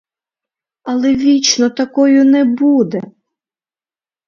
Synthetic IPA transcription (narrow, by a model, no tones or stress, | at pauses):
ɐlˠɛʋʲit͡ʃnɔt̪ɐkɔjʊnɛbud̪ɛ